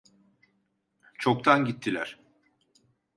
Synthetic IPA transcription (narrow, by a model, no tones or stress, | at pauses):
t͡ʃʰok̚t̪ʰanɟit̪ʰːilʲæɾ̥